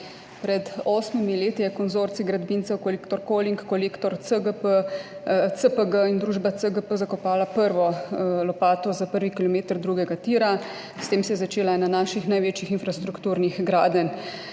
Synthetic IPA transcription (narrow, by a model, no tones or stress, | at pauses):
pɾɛd̪ɔːsmimileːt̪ijɛkɔnzoːɾt̪siɡɾad̪bintsɛwkɔlekt̪ɔɾkoliŋkːɔleːkt̪ɔɾsəɡəpə | səpəɡəind̪ɾuːʒbasəɡəpəzakɔpaːlapəɾʋɔlɔpaːt̪ɔzapəɾʋikilɔmeːt̪əɾd̪ɾuːɡɛɡat̪iːɾa | st̪eːmsɛjɛzat͡ʃeːlaɛnanaːʃixnajʋeːt͡ʃixinfɾast̪ɾukt̪uːɾnixɡɾaːd̪ən